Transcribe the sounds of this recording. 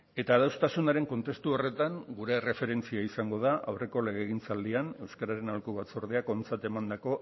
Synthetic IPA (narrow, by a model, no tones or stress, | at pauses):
e̞t̪aðawst̪asunaɾe̞ŋko̞nt̪e̞st̪uo̞re̞t̪aŋɡuɾe̞re̞fe̞ɾe̞nt͡siaisaŋɡo̞ð̞aʔawre̞ko̞le̞ɣ̞eɣ̞int͡sald̪iane̞wskaɾaɾe̞nalkuβat͡soɾð̞eako̞nt͡sat̪e̞mand̪ako̞